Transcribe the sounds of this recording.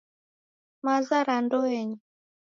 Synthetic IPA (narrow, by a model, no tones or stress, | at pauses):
mazaɾandɔɛɲi